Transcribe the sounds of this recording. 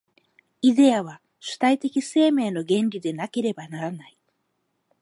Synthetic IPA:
id̪e̞aβ̞a | ɕɨ̥t̪ait̪e̞kʲise̞ːme̞ːno̞ɡẽ̞nɾʲid̪e̞nake̞ɾe̞banaɾanai

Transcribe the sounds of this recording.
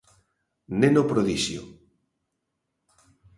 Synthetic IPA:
nenopɾoðiʃjo̰

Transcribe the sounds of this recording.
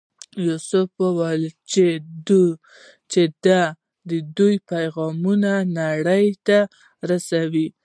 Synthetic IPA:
jusʊfəwalt͡ʃed̪u | t͡ʃed̪a | d̪əd̪ujpajɣɑmunanaɽəjt̪a | ɾasawi

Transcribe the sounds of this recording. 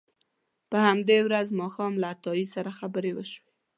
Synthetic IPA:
pəhamd̪ewɾazmɑxɑmlaːt̪ɑjisaɾaxabəɾewəʃwe

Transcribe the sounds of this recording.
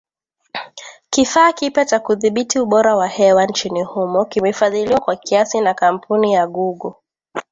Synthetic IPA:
kifaːkipɛt͡ʃakuðiɓitiuɓɔɾawahɛwant͡ʃinihumɔkimɛfaðiliwakwakiasinakam̩pʰunijaɠuɡɔ

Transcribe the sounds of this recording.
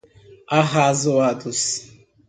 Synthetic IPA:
aɦazʊwadʊs

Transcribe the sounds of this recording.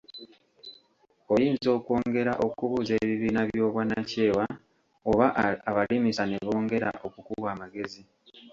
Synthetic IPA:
o̞jiːnzo̞ːko̞ːŋɡe̞ɾaʔo̞kuβuːze̞ːβiβiːnaβjo̞ːβwanace̞ːwa | oβaaβalimisane̞βo̞ːŋɡe̞ɾa̰ʔo̞kukuβaːmaɡe̞zi

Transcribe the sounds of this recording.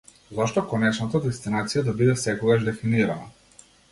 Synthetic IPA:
zɔʃt̪ɔkɔnɛt͡ʃnat̪ad̪ɛst̪inat̪sijad̪abid̪ɛsɛkɔɡaʒd̪ɛfiniɾana

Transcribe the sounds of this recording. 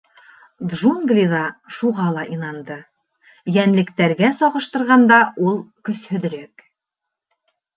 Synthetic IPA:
d̪ʒuŋɡlʲiðɑʃuʁɑlˠɑʔinɑnd̪ɤ | jænlɘ̆kt̪æɾɡæsɒʁɤ̆ʃt̪ɤ̆ɾʁɑnd̪ɑʔulˠkɵ̆shɵ̆ð̆ɾɵk

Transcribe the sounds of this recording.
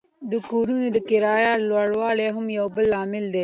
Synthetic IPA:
d̪ukuːɾuːned̪əkɪɾaːjaːlwaːɽwaːleːɦʊmjoːbəlːaːmɪld̪eː

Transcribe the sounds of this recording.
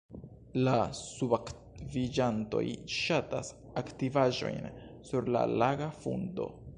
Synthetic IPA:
lasubak | vid͡ʒanto̞̰jʃata̰s | aktivaʒo̞̰jnsuɾla̰laɡafṵndo̞̰

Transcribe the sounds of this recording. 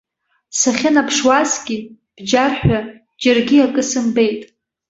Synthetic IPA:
saχʲanapʰʂwasɡʲi | b̥d͡ʒarħʷᶣa | d͡ʒarɡʲiakʼɨsɨmbe̞jtʼ

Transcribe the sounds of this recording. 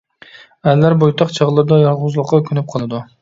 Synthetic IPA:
allːaɾbojt̪ʰɑqt͡ʃʰɑʁlˠɪɾd̪ɒjɒlˠʁʊzlˠɨqːɑkʲʰʊnɪp̚qʰɒlˠad̪ʊ

